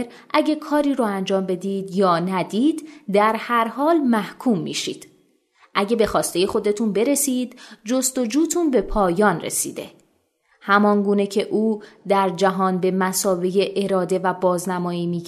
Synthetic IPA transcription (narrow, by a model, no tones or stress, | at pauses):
ɾ | ʔæɟekʰɒːɾiːɾuænd͡ʒɒːmbe̞d̪iːd̪jɒːnæd̪iːd̪d̪æɾhæɾhɒːlmæhkʰuːmːḭːʃiːd̪̥ | ʔæɟe̞be̞xɒːst̪e̞je̞xo̞d̪e̞t̪ʰunbe̞ɾe̞siːd̪̥d͡ʒo̞st̪o̞d͡ʒuːt̪ʰunbe̞pʰɒːjɒːnrḛsḭːd̪e̞̰ | hæmɒnɡuːne̞cʰe̞ʔuːd̪æɾd͡ʒæɦɒːnbe̞mæsɒːveje̞ʔeɾɒːd̪e̞væbɒːznæmɒːiːmiː